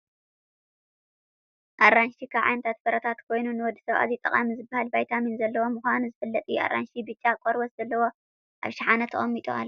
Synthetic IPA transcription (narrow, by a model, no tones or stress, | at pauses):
ʔaɾːanʃikʰaβʕa̰jnɐt̪ʰat̪̚bɐɾɐt̪ʰat̪kʰo̞jnunɨwɔd̪ːisɐβa̰zit̪ʼɐ̰χʼa̰mizɨbːahalbajt̪ʰaminzɐlːɐwo̞mɨxʷanuzɨfɐlːɐt̪ʼijʔa̰ɾʔa̰nʃibɨt͡ʃʼːakʼoɾwɐszɐlːɐwo̞ | ʔa̰βʃaħanɐt̪ʰɐχʼɐmːit̪ʼua̰lː